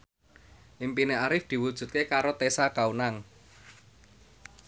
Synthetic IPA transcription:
ʔimpineaɾɪfd̪̥i̤wud̥ʒ̥ṳt̪̚kekaɾot̪esakaunaŋ

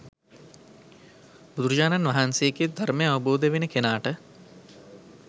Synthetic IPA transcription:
bud̪uɾud͡ʒaːnanʋaɦanseːked̪ʱaɾməjaʋəboːd̪əʋenəkenaːʈə

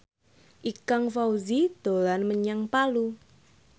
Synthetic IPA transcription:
ʔikaŋfauzid̪̥o̤lanməɲaŋpalu

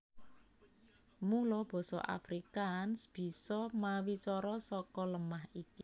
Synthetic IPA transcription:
mulɔb̥ɔ̤sɔ̰ʔa̰fɾikansb̥i̤sɔmawit͡ʃɔɾɔsɔkɔləmaɦiki

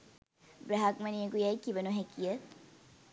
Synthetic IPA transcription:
bɾɐɦɐkmɐniəkujɐjkibɐnuɦækijɐ

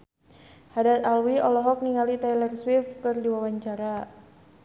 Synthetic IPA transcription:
hadat̪alwiɔlɔɦɔk̚niŋalit̪alɛrswifkɨrdiwawaɲt͡ʃaɾa

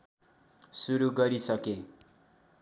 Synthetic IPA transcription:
suɾuɡʌɾisʌke

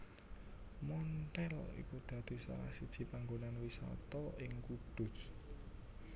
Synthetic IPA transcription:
mɔnt̪ɛlḭkud̪̥ä̤d̪̥i̤sa̰ɾa̰hsid̥ʒ̥i̤paŋɡonanwisɔ̰t̪ɔɪŋkud̪̥ʊ̤s

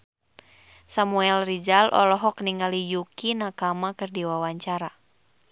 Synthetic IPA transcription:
samuɛlrid͡ʒalʔɔ̰lɔɦɔkniŋɡalijukinakamakɨrdiwawaɲt͡ʃaɾa

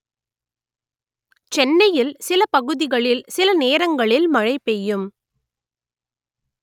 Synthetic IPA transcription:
t͡ʃɛnːɐjɪlsɪlɐpɐɣɯðɪɣɐɭɪlsɪlɐneːɾɐŋɡɐɭɪlmɐɻɐɪpːɛjɯm

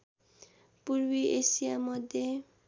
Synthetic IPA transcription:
purwiʔesijamʌd̪ʱje

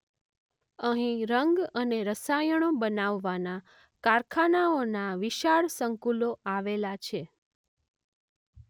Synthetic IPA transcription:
əɦĩɾəŋɡəneɾəsajəɽ̃obənaʋːana | kaɾkʰanaonaʋiʃaɭsəŋkuloaʋelat͡ʃʰe

